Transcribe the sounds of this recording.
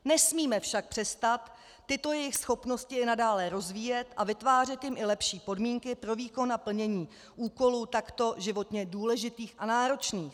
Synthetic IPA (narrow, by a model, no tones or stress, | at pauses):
nɛsmiːmɛfʃak̚pr̥ɛst̪at̪ː | ɪt̪o̞jɛjɪxsxo̞pno̞scɪɪnadaːlɛɾo̞zviːjɛt̪ʔavɪt̪vaːr̝ɛt̪jɪmʔɪlɛpʃiːpo̞dmiːŋkɪpɾo̞viːko̞napl̩ɲɛɲiː | ʔuːko̞luːt̪akt̪o̞ʒɪvo̞t̪ɲɛduːlɛʒɪt̪iːxʔanaːɾo̞t͡ʃniːx